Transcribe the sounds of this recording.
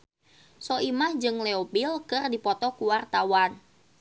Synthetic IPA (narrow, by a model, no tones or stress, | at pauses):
sɔʔimahd͡ʒɨŋlɛobilkɨrdipɔt̪ɔkuwart̪awan